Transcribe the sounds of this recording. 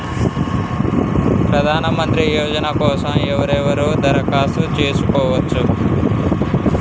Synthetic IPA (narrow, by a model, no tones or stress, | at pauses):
pɾɐd̪ʱaːnɐmɐnt̪ɾijɔːd͡ʒɐnɐkɔːsɐmɛʋɐɾɛʋɐɾuːd̪ʱɐɾɐkaːsut͡ʃeːsukɔːʋɐt͡ʃːu